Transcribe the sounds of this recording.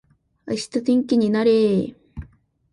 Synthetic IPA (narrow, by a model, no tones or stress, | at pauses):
aɕi̥t̪at̪ẽ̞ŋkʲiɲ̟inaɾe